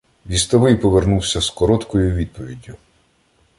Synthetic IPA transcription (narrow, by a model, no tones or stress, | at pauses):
ʋʲist̪ɔʋɪjpɔʋernuwsʲɐskɔɾɔt̪kɔjʊʋʲid̪̚pɔʋʲidʲːʊ